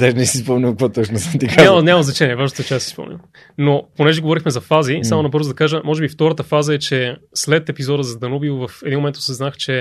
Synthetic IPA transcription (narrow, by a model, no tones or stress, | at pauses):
d̪ɛʒnɛsispɔmnʲilˠkvɔt̪ɔt͡ʃnosəmt̪ikaɲamnɲʲamɐznɐt͡ʃɛnʲiɛvaʒnot̪ɛt͡ʃɛasi̥spɔ̰mnʲḭlˠ | noponɛʒɛɡovɔɾixmɛzɐfazisamonɐbɤɾzd̪ɐkaʒəmɔʒɛbift̪ɔɾət̪əfazəɛt͡ʃɛslɛt̪ɛpizɔd̪əzɐd̪ɐnubivovɐfɛd̪inmomɛnt̪o̥sɛznaxt͡ʃɛ